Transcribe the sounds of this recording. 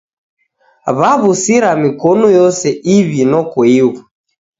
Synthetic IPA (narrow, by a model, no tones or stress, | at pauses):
βaβusiɾamikɔnujɔsɛʔiβinɔkɔiwu